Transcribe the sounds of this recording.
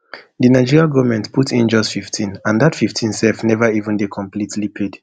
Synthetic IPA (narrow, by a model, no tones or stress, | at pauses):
dɨnaɪd͡ʒiɹiaɡɔvmɛ̃ntpʰutʰĩnd͡ʒʌstfiftʰĩnãndatfiftʰĩnsɛfnɛvəivə̃ndekʰɔ̃mplitʰlipʰed̥